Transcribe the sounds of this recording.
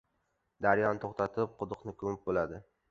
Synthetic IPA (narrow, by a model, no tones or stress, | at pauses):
d̪aɾjɒnt̪ʰoχt̪ʰat̪ʰɪp̚qʰʊd̪ʊqnɪkʰɵmɪp̚bolad̪ɪ